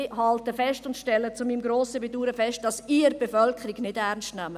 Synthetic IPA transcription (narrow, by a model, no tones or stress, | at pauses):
hɑltəfɛstʊntʃtɛlːət͡sʊmiːmɡɾoːsəbeduːɾəfɛst̚d̥ɑsiːɾb̥efœlkχəɾiɡnɪdæɾnstnæmə